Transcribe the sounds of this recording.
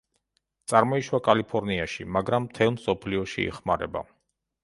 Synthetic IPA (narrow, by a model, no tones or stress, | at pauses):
t̪sʼaɾmɔiʃwakʼalipʰɔɾniaʃimaɡɾamːt̪ʰɛlˠmsɔpʰliɔʃḭːχmaɾɛba̰